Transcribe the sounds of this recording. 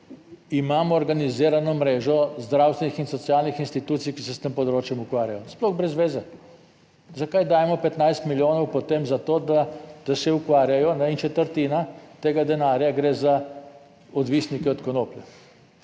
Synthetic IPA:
imaːmɔːɾɡaniziːɾanɔmɾeːʒɔzd̪ɾawst̪ʋenixinsɔtsijalnixinst̪it̪uːt̪sijkisɛst̪empɔd̪ɾoːt͡ʃjɛmukʋaːɾjajɔsplɔɣbɾɛzʋeːzɛ | zakajd̪aːjɛmɔpɛt̪najst̪miljoːnɔwpɔt̪emzat̪oːd̪ad̪̥asɛukʋaːɾjajɔnaint͡ʃɛt̪əɾt̪inat̪eːɡad̪ɛnaːɾjaɡɾeːza | ɔd̪ʋisnikɛɔt̪kɔnoːpljɛ

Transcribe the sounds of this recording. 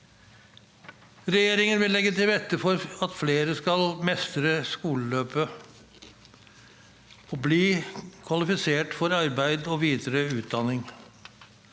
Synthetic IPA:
ɾɛjeːɾɪŋənʋɪlːɛɡːət̪ʰɪlʋɛt̪ːəfɔɾɑt̪fleːɾəskɑlmɛst̪ɾəskuːləløːpə | ɔbliːkʰʋɑlɪfɪseːʈfɔɾɑɾbæɪd̪ɔʋiːd̪əɾəʉːt̪̚d̪ɑnɪŋ

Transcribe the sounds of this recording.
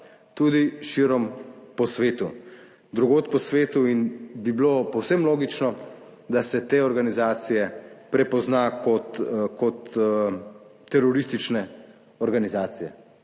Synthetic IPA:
t̪uːd̪iʃiɾɔmpɔsʋeːt̪u | d̪ɾuɡoːt̪pɔsʋeːt̪uinbiblopɔwsɛmloːɡit͡ʃnɔ | d̪asɛt̪eːɔɾɡanizaːt̪sijɛpɾɛpɔznaːkɔt̪kɔt̪ | ɛɾɔɾist̪it͡ʃnɛ | ɔɾɡanizaːt̪sijɛ̰

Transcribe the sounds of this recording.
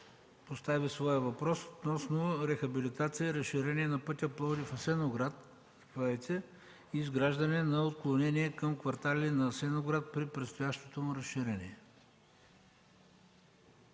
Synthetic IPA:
post̪avisvɔjəvɐpɾɔsot̪nɔsnoɾɛxɐbilit̪at̪sijəiɾɐsʃiɾɛniɛnɐpɤt̪ʲəplˠɔd̪ifɐsɛnoɡɾat̪̚ | pɛt̪ɛ | iːzɡɾaʒd̪ɐnɛnɐot̪̚klˠonɛniɛkɐmkvɐɾt̪alʲinɐsɛnoɡɾat̪̚pɾipɾɛt̪st̪ʊjaʃt̪e̥t̪omʊɾɐsʃːiɾɛnʲḭɛ

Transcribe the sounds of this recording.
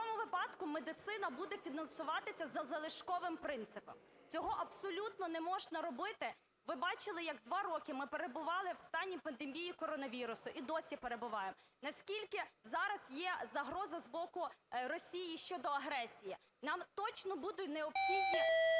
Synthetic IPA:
ɔmʊʋɪpɑd̪kʊmed̪ɪt̪sɪnɐbud̪ɛfʲinɐnsʊʋɑt̪ɪsʲɐzɐzɐlˠɪʃkɔʋɪmpɾɪnt̪sɪpɔ̰m | t͡sʲɔɦɔʔɐbsɔlʲut̪nɔnɛmɔʒnɐɾɔbɪt̪ɪ | ʋɪbɑt͡ʃɪlˠɪjɐɡd̪ʋɑɾɔkɪmɪpeɾebʊʋɑlˠɪwst̪ɑnʲːipɐnd̪emʲijikɔɾɔnɐʋʲiɾʊsʊʔid̪ɔsʲipeɾebʊʋɑjemnɐsʲkʲilʲkɪzɑɾɐzjɛzɐɦɾɔzɐzbɔkʊrɔsʲijiʃt͡ʃɔd̪ɔɐɦɾɛsʲiji | nɑmt̪ɔt͡ʃnɔbud̪ʊtʲneɔpxid̪nɪ

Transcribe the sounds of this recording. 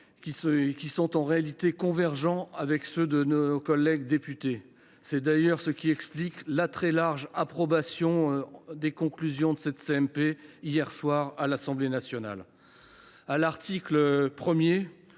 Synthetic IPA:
kʲiskʲisɔ̃t̪ɑ̃ʁealit̪ekɔ̃vɛʁʒɑ̃avɛksød̪ənokɔlːɛɡd̪epyt̪e | sɛd̪ajœʁsəkʲiɛkspliklat̪χɛlaʁʒapχɔbasjɔ̃d̪ekɔ̃klyzjɔ̃d̪əsɛt̪seɛmpeijɛʁswaʁalasɑ̃blenasjɔna̰l | alaʁt̪ikləpχəmje

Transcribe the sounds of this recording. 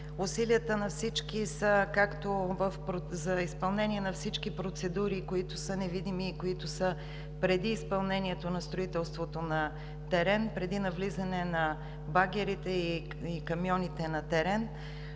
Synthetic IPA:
ʊsiliət̪ənɐfsit͡ʃk̟isəkakt̪ovəfpɾozɐispɐlˠnɛniɛnɐfsit͡ʃk̟ipɾot̪sɛd̪uɾikoit̪ʊsənɛvid̪imiːkoit̪ʊsə | pɾɛd̪iːspɐlˠnɛniɛt̪onɐst̪ɾoit̪ɛlˠst̪vot̪onɐ | t̪ɛɾɛnpɾɛd̪inɐvlizɐnɛnɐ | baɡʲɛɾit̪ɛi | ikɐmjɔnit̪ɛnɐt̪ɛɾɛn

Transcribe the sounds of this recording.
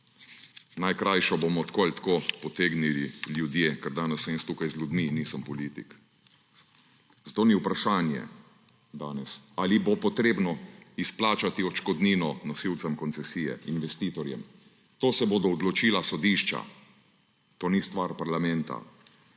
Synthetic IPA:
najkɾajʃɔbomɔt̪koalʲt̪koːpɔt̪eːɡnililjud̪jeːkɛɾd̪aːnɛsːmest̪uːkajzlʲud̪miniːsəmpɔliːt̪ik | zat̪oːniupɾaʃaːnjɛ̰ | d̪aːnɛsalibopɔt̪ɾeːbnɔisplaːt͡ʃat̪iɔt͡ʃkɔd̪niːnɔnɔsiwt̪sɛmkɔnt̪sɛsiːjɛ̰inʋɛst̪iːt̪ɔɾjɛ̰m | t̪oːsɛbod̪ɔːd̪lɔt͡ʃiːlasɔd̪iʃt͡ʃa̰ | t̪oːnist̪ʋaːɾpaɾlamɛ̃nt̪a̰

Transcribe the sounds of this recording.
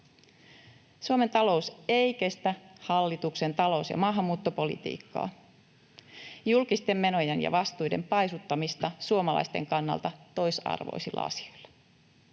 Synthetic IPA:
suome̞nt̪ɑlo̞useikest̪æhɑlːit̪ukse̞nt̪ɑlo̞usjɑ̰mɑːɦɑmːuːt̪ːopo̞lḭt̪ḭːkːɑ̰ː | julkist̪e̞mːe̞no̞jenjɑ̰ʋɑst̪ujde̞̰mpɑjsut̪ːɑmist̪ɑsuomɑlɑ̰jst̪e̞̰ŋkɑnːɑ̰lt̪ɑt̪o̞jsɑ̰rʋo̰isilːʔɑ̰ɑ̰si̥o̞jl̥ːɑ̥

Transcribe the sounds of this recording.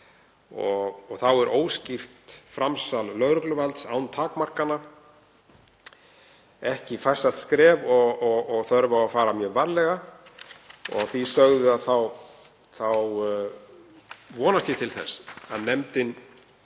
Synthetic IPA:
ɔɣɔɣθawɛɾʔoːwscir̥t̪fɾamsalːœɣɾʏklʏvalt̪saːwnt̪ʰaːkmar̥kanːa | ɛhcɪfajr̥salt̪skɾɛːvɔɣɔɣɔɣθœɾvawafaːɾamjœːvaɾlɛɣa | ɔ̰ɣθisœɣðʏaðθaw | θaw | vɔːnast̪jɛt̪ʰɪlθɛ̰sa̰ðnɛmt̪ɪn

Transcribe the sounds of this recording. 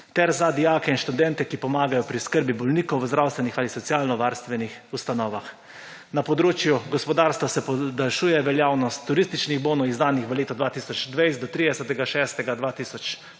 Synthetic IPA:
t̪ɛɾzad̪ijaːkɛinʃt̪ud̪ɛnt̪ɛkipɔmaːɡajɔpɾiskəɾbibɔlniːkɔwwzd̪ɾawst̪ʋɛnixalisɔt̪sjaːlnɔʋaɾst̪ʋɛnixust̪anɔːʋax | napɔd̪ɾoːt͡ʃjuɡɔspɔd̪aːɾst̪ʋasɛpɔd̪alʃuːjɛʋɛljaːwnɔst̪ːuɾist̪it͡ʃniɣboːnɔizd̪aːnixʋəleːt̪ɔd̪ʋat̪iːsɔt͡ʃd̪ʋejst̪d̪ɔt̪ɾid̪ɛsət̪ɛɡaʃɛst̪ɛɡad̪ʋaːt̪iːsɔt͡ʃ

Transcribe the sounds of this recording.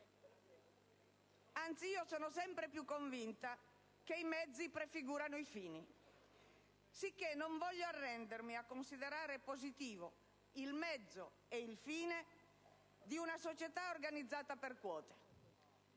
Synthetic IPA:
ant̪siiːosɔːnosɛmpɾepjukːoɱvint̪a | keimɛd̪zːipɾefiɡuːɾanoifiːni | sikːenːoɱvɔʎːoarːɛnd̪eɾmiakːonsiðeɾaːɾepozit̪iːvo | ilmɛd̪zːo | eilfiːne | d̪iunasot͡ʃet̪aorɡanid̪zːaːt̪aperkwɔːt̪e̥

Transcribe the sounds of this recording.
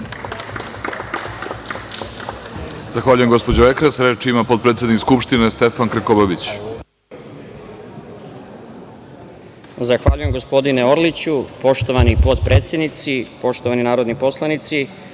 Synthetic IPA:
z̥axʋaːʎuje̞mɡo̞spo̞d͡ʑoekɾasɾet͡ʃimapot̪pɾet̪ʲed̪nikskupʃt̪inest̪e̞fankɾekobabit͡ɕ | zaxʋaːʎuje̞mɡo̞spo̞d̪ineo̞ɾlit͡ɕupo̞ʃt̪oʋanipo̞t̪pɾeːt̪sje̞d̪nit̪sipo̞ʃt̪oʋaninaːɾod̪nipo̞slˠanit̪si

